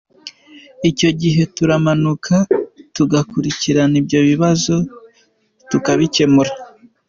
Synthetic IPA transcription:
ico̞ɟiɦe̞tuɾamanukʰatuɡakuɾiciɾanibɟo̞βiβazo̞ | tukaβice̞muɾa

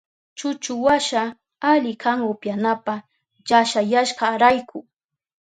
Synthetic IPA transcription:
t͡ʃʊt͡ʃʊwaʃa | aʎɪkʰaŋʊpjanapa | ʎaʃajaʃɢɑɾajkʰʊ

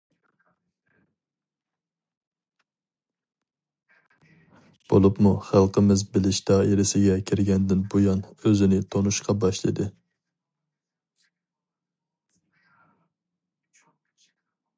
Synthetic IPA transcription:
b̥o̰lˠupmuχælˠqʰəmɪzbɪlɪʃd̪ɑːiɾɪsɪɡʲɛkʲʰiɾɡʲɛnd̪ɪnbujɑnøzɪnɪt̪ʰonuʃqʰɑbɑʃlˠɨ̰d̪ɨ

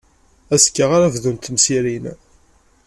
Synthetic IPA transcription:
æskːəʁaɾavðunt̪msiɾin

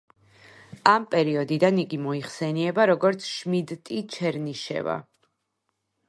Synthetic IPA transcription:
ampʼɛɾiɔd̪id̪aniɡimɔiχsɛniɛbaɾɔɡɔɾt̪sʰʃmid̪t̪ʼit͡ʃʰɛɾniʃɛ̰va̰

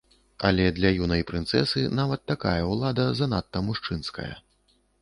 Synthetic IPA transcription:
ɐ̰lʲɛd̪lʲɐjunɐjpɾɨnt̪sɛsɨnavɐt̪ːaka̰jɐwlˠad̪ɐzɐnat̪ːɐmuʂt͡ʂɨnskɐ̰jɐ̰

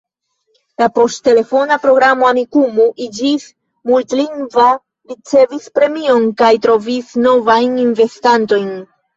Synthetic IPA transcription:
lapo̞stːe̞le̞fo̞napɾo̞ɡɾamo̞amikumuʔid͡ʒis | multliŋɡva | ɾit͡se̞vispɾe̞mio̞nkajtɾo̞visno̞vajninve̞stanto̞jn

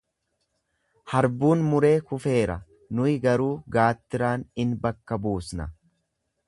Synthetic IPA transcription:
hɐɾbuːnmʊɾe̞ːkʊfe̞ːɾɐ | nʊɪɡɐɾuːɡaːt̪ːɪɾaːnɪnbɐkːɐbuːsnɐ

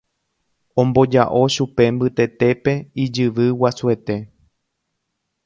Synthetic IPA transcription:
õ̞mbo̞d͡ʒa̰ʔo̞ʃupe̞mbɨt̪e̞t̪e̞pe̞id͡ʒɨʋɨwasue̞t̪e̞

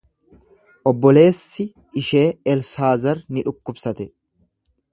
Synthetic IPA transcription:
ʔɔbːɔle̞ːsːɪ | ɪʃe̞ːɛlsaːzɐɾnɪᶑʊkːʊbsɐt̪ɛ

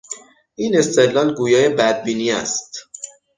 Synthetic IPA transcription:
ʔiːne̞st̪ed̪lɒːlɡuːjɒːje̞bæd̪̚biːniːæ̰st̪

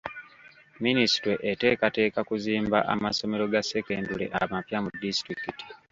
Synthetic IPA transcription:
minisi̥tweʔete̞ːkate̞ːkakuziːmbaʔamaso̞me̞ɾo̞ɡase̞keːndule̞̰ʔamapjamudistɾikiti̥

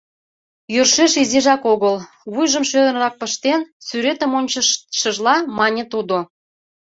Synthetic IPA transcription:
jørʃeʃizeʒɑkoɣəl | βujʒəmʃød̪ənrɑk̚pəʃt̪ensyɾet̪ə̆monʲt͡ɕəʃəʒlɑmɑnʲet̪ud̪o

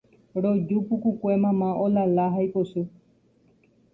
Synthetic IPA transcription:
ɾod͡ʒupukukʷemãmãʔolalaɦajposu

